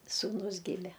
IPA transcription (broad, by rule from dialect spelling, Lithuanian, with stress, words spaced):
suːˈnʊs ˈɡʲɪmʲɛ